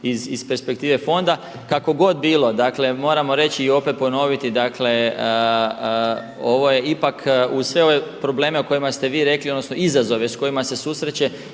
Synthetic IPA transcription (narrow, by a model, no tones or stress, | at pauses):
izispe̞ɾspe̞k̚t̪iːʋe̞fo̞nd̪a | kako̞ɡo̞d̪̚biːlˠo̞d̪akle̞mo̞ːɾamo̞ɾe̞t͡ɕiːo̞pe̞t̪̚po̞no̞ʋit̪id̪akle̞ | oʋo̞je̞ipakusʋe̞o̞ʋe̞pɾo̞ble̞ːmeoko̞jimast̪e̞ʋiːɾe̞kliod̪nosno̞izazo̞ʋesko̞jimase̞susɾet͡ɕe̞